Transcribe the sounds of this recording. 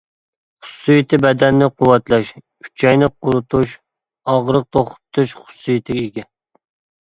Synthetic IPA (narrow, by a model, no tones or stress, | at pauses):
χʊ̥sːɨjit̪ʰɪbɛd̪ɛnːɪqʰuwːɛt̪lˠɛʃ | yt͡ʃʰɛjnɪqʊɾut̪ʰuʃ | ɑʁɾəq̚t̪ʰoχʊ̥t̪ʰːuʃχʊ̥sːɨjit̪ʰɪkʲɪɡʲɛ